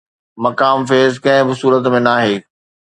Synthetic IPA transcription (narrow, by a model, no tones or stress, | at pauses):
mɐkaːmfeːzkɐ̃ɦɪ̃bɪsuːɾət̪mẽnaːɦeː